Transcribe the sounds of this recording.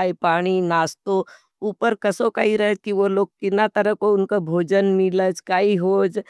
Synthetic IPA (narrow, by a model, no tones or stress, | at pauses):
jpaːɽ̃inaːst̪o | uːpəɾkɐsokaɦiɾɐɦekiʋoloːɡ̚kɪnat̪əɾəkoʊnkabʱoːd͡ʒənmɪləd͡ʒkaːiɦoːd͡ʒ